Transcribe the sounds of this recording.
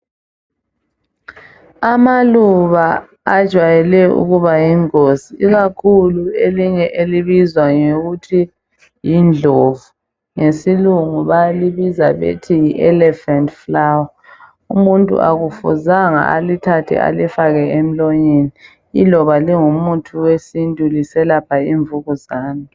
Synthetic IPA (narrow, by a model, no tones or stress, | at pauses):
amaluβa | ad̥ʒ̥ʱwajɛlɛṵɣuβajiŋoziiɣakʰulueliɲɛʔeliβizwaŋeɣutʰi | jind͡ɮʱovu | ŋesiluŋuβaliβizaβḛtʰijiʔɛlɛfantʼflawa | umuntʼṵʔa̰ɣufṵzaŋa̰a̰litʰatʰḭa̰lifaɣɛem̩loɲini | ilɔβaliŋumutʰuwesintʼulisɛlapʰaiːɱvuɣuzaːnɔ